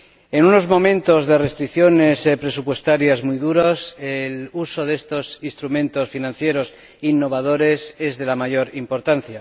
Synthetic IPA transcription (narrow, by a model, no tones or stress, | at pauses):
e̞nuno̞zmõ̞mẽ̞nt̪o̞zðe̞re̞st̪ɾikθjo̞ne̞spɾe̞supwe̞st̪aɾjazmujðuɾoseluso̞ðe̞st̪o̞sinst̪ɾumẽ̞nt̪o̞sfinãnθje̞ɾo̞s | inːo̞β̞að̞o̞ɾe̞se̞zðe̞lamaʝo̞ɾimpo̞ɾt̪an̟θja